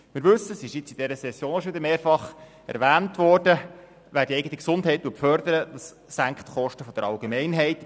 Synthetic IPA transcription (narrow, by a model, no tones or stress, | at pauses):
mɪːɾʋɵsːəsɪʃjɪt͡sid̥ɛɾəsɛsːjoːnɔʃʋɪdəɾmeːɾfɑχ | ɛ̰ɾʋæːntʋɔːrd̥ə | ʋæːɾdiɛɪɡətiksʊndɦɛɪt̚tːuəfœɾdəɾəd̥̪ɑsːæŋkχtχɔʃtəfɔd̥̪əɾɑlɡemɛɪnɦɛɪt